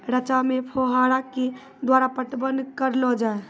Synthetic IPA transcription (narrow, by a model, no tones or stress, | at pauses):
ɾət͡ʃamepʰoɦaɽake | d̪waɾapəʈbənkəɾlɔd͡ʒae